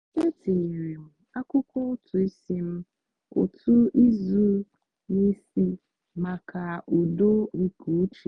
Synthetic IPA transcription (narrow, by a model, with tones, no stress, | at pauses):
e˦tʰi˨i˨ɾi˨m̩˨ | a˦kʊ˦kɔ˦ʊ˦tʰʊ˨i˦si˦m̩˦ | ʊ̰˨tʰʊ˦ʔi˦zu˦ | ni˦si˦ | ma˨kʰa˨ʔu˨do˦ŋ̩˨ku˨˦t͡ʃi˨